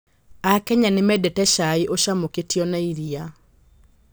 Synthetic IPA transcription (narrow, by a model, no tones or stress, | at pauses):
akɛɲanemɛdɛtɛʃaiʔoʃamoketiɔnaiɾia